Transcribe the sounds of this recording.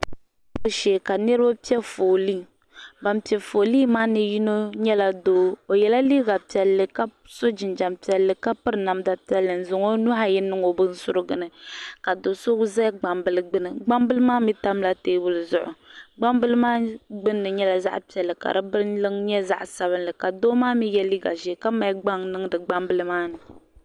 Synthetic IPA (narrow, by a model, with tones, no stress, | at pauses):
o˦ʃeː˨ka˨nɛ˦ɾa˦pi˦ɛ˦fo˨li˦ | ba˨mpi˨ɛ˨fo˨liː˦maː˦nɨ˨ji˦no˦ɲɛ˦la˨doː˨˦o˨jɛ˨la˦li˦ɡa˨pi˨ɛ˨lːɨ˨ka˦ | so˦d͡ʒɪ˨nd͡ʒa˨mpi˨ɛ˨lːɨ˨ka˦pɨ˦ɾɨ˨na˨mda˨pi˦ɛ˦lːɨ˨n̩˨zʊ˨ŋo˦nu˦ɦa˦jɪ˦nːɨ˦ŋo˨bɨ˦n̩˦sʊ˦ɾɨ˦ɡɨ˨nɨ˨ka˨do˨so˦ɡzɛ˦ɡ͡ba˨mbɨ˨lɨ˦ɡ͡bɨ˦nɨ˨ɡ͡ba˦mbɨ˦lɨ˦maː˦mi˦ta˦mla˦teː˦bʊ˦lɨ˨zʊ˦ʔʊ̰˨ɡ͡ba˦mbɨ˦lɨ˦maː˦ɡ͡bɨ˦nːɨ˨ɲɛ˦la˨za̰˦ʔpi˨ɛ˨lːɨ˨ka̰˨ɾɨ˦bɨ˦ɾlɨ˦ŋɲɛ˦za̰˦ʔsa˦βɨ˦nlɨ˨ka˨doː˦maː˦mi˦jɛ˦li˦ɡa̰˨ʒɛ˨ka˦ma˨i˦ɡ͡ba˦ŋnɨ˦ŋdɨ˨ɡ͡ba˦mbɨ˦lɨ˦maː˦nɨ˨